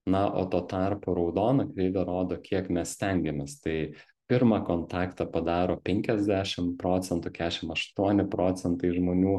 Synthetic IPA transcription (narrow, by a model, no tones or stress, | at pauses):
nɐʔo̰ːt̪oːt̪ɑrpoːɾɐʊd̪oːnɐkɾʲɛɪd̪ɐɾoːd̪oːkʲiɛkmʲɛssʲt̪ʲɛŋʲɡʲɛmʲeːst̪ɐɪ | pʲɪɾmɑkoːnt̪ɑːkt̪ɐpɐd̪ɑːɾoːpʲɛŋʲkʲɛzʲd̪ʲæːʃʲɪmpɾoːt͡s̪ʲɛnt̪ʊkʲæːʃʲɪmɐʃt̪uɔnʲɪpɾoːt͡ssʲɛnt̪ɐɪʒmoːnʲuː